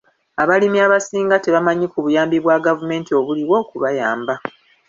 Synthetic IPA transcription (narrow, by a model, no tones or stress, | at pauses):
aβalimiaβasiːŋɡateβamaɲikuβujaːmbiβwaɡavume̞ːntio̞βuliwo̞ːkuβajaːmba